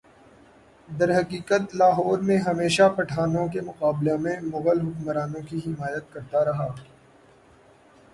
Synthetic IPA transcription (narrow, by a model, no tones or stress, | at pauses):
d̪ɐɾɦɐqiːqət̪laːɦɔːɾmẽɦɐmeːʃapɐʈʰaːnõk̬emʊqaːblemẽmʊɣəlɦʊkmɾaːnõkiɦɪmaːjət̪̚kɐɾt̪aɾɐɦaː